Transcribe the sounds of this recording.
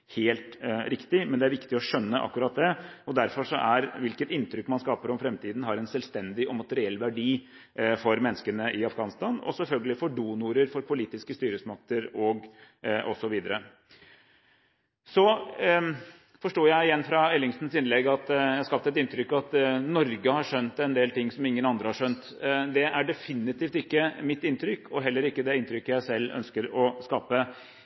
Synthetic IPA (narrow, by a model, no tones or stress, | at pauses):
heːlt̪ɾɪkt̪ɪmɛnd̪ɛæɾʋɪkt̪ɪɔʂœnːəʔɑ̰kːʉɾɑːt̪̚d̪ɛɔd̪æɾfɔʂɔʔæɾʋɪlkət̪ɪnt̪ɾʏkːmɑnskɑːpəɾɔmfɾɛmt̪ʰiːd̪n̩ɦɑɾɛnsɛlst̪ɛnd̪ɪʔɔmɑt̪əɾɪɛlːʋæɖiː | fɔɾmɛnːəskənəʔɪɑfɡɑːnɪst̪ɑnɔ̰sɛlfœlɡəlɪfɔɖuːnʊɾəɾfɔɾpʊliːt̪ɪskəst̪yːɾəsmɑk̚t̪əɾɔɡ | ʔɔsɔʋiːd̪əɾə | sɔ | fɔʂʈoːjæɪɪjɛnːfɾɑɛlɪŋst̪n̩sɪnlɛɡɑt̪jæhɑskɑpt̪ɛt̪ɪnt̪ʰɾʏkːɑt̪nɔɾɡəhɑʂœnt̪ɛnd̪eːlt̪ɪŋːsɔmɪŋːənɑnd̪ɾəhɑʂœnt̪ | d̪ɛæɖɛfɪnːɪt̪iːft̪ɪkːəmɪt̪ːɪnt̪ɾʏkːɔɦɛlːəɾɪkːəd̪ɛɪnt̪ʰɾʏkːəjæɪsɛlːœ̰nskəɾɔskɑːpə